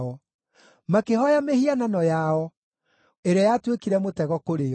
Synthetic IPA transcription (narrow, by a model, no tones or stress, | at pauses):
ɔ | makehɔjamehiananɔjaɔ | eɾeajatwekiɾɛmotɛɣɔkoɾeɔ